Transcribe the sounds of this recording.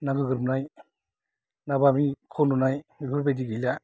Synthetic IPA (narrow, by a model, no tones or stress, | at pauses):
naɡɯɡɯɾbnaj | nabamikʰɔnunajmibʰɯɾbajdiɡɯjla